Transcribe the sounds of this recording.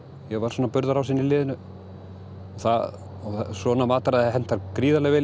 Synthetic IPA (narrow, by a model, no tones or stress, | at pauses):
jɛvaɾ̥swɔːnapʏɾðaɾawsinːɪlɪːðɪnʏ | ɔθa | ɔsɔːnamaːt̪aɾaðaɦɛn̥t̪ːaɾkɾiːðalɛɣvɪ